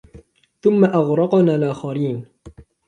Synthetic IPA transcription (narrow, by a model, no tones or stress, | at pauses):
θʊmːaʔaɣɾˤɑqnaːlʔaːxaɾiːn